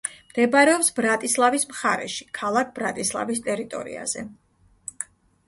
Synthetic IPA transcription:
md̪̥ɛbɾɛɔpsbɾat̪ʼislˠavismχaɾɛ̰ʃi̥kʰalˠak̚ʰb̥ɾat̪ʼislˠa̰vist̪ʼɛɾit̪ʼɔ̰ɾḭa̰z̥ɛ

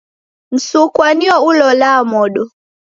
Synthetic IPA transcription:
n̩sukwaniɔulɔlamɔɗɔ

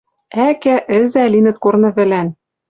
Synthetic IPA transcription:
ækæʔɘ̆zælinɘ̆t̪̚kornɤ̆βɘ̆læn

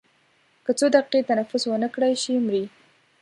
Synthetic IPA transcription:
kət͡sod̪aqiqet̪anafʊswənəkɽajʃimɾi

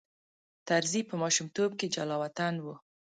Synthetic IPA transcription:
t̪aɾzipəmɑʃumt̪ob̚ked͡ʒalɑwat̪anwu

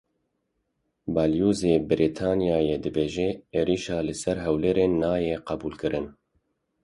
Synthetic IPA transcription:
bɑːljuːzeːbɨɾʔit̪ʰaːnijaːjed̪ɨbeːʒɛeːɾiːʃɑːlɨsɛɾɦɛwleːɾeːnːɑːjeːqɛbuːlkɨɾʔɨn

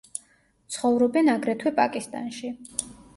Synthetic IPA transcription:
t̪sʰχɔvɾɔbɛnaɡɾɛt̪ʰwɛpʼa̰kʼist̪ʼa̰nʃi

